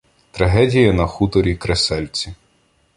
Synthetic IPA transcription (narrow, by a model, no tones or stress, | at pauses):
t̪ɾɐɦɛdʲijɐnɐxut̪ɔɾʲikɾesɛlʲt͡sʲi